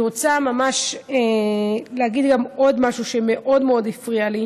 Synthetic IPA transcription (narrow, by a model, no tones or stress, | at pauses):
ʁot͡samamaʃeleaɡid̪ɡamo̞d̪maʃuʃeme̞ʔo̞dmeo̞d̪ifʁiali